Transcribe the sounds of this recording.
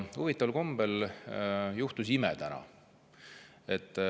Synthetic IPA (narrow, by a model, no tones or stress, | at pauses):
uvit̪ˑːɑvlko̞mb̥el | juht̪usimɛ̰t̪ænɑ̰ | et̪ːˑ